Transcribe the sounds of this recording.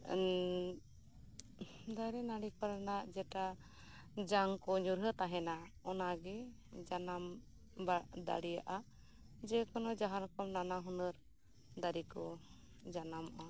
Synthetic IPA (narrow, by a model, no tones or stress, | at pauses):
d̪aɾinaɽikɔɾanaʔd͡ʒɛʈa | d͡ʒaŋkɔɲuɾɦət̪aɦɛnaɔnaɡɛ | d͡ʒanam | bad̪a̰ɽija̰ʔa | d͡ʒɛkɔnɔd͡ʒaɦaɾɔkɔmnanaɦɔnəɾ | d̪aɾikɔ | d͡ʒanamɔʔa